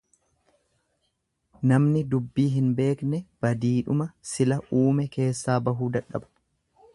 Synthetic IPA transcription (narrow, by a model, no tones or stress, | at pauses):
nɐmnɪd̪ʊbːiːɦɪnbe̞ːknɛb̥ɐd̪iːᶑʊmɐsɪlɐʔuːmɛke̞ːsːaːbɐɦuːd̪ɐᶑːɐ̰bɐ̥